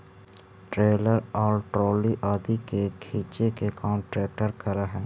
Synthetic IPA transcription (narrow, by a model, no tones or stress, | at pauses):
ʈɾeːləɾɔːɾʈɾoːliʔaːd̪ikekʰiːt͡ʃekekɔːmʈɾɛːk̚ʈəɾkɐɾaɦɛː